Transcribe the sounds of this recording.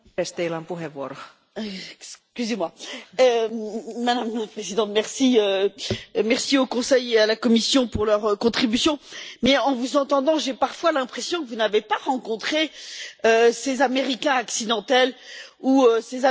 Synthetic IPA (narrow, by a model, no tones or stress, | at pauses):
est̪eilampuɦeʋːuoɾo | skʲyzemwaømad̪amlpχezid̪ɑ̃t̪mɛʁsiø | mɛʁsiokɔ̃sɛjealakɔmisjɔ̃puʁlœʁkɔ̃t̪χibysjɔ̃mɛɑ̃vuzɑ̃t̪ɑ̃d̪ɑ̃ʒepaʁfwalɛ̃pχesjɔ̃kəvunavepaʁɑ̃kɔ̃t̪χeøsezameʁikʲɛ̃aksid̪ɑ̃t̪ɛluøseza